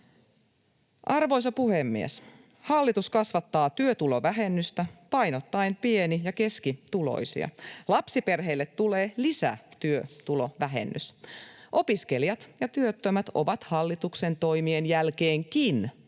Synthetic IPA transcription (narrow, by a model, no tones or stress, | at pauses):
ʔɑrʋo̞js̬ɑpuhemːiḛs | hɑlːit̪uskɑsʋɑt̪ːɑːt̪yøt̪ulo̞ʋæɦe̞nːyst̪æpɑjnot̪ːɑjmpie̞nijɑke̞skit̪ulo̰jsḭɑ̰lɑpsipe̞rɦe̞ilːet̪tːuleːlisæ̰t̪yøt̪ulo̞ʋæɦḛnːysʔo̞piskeljɑt̪jɑt̪yøt̪ːømæt̪o̞̰ʋɑt̪hɑlːit̪ukse̞nt̪o̞jmienjælkeːŋkin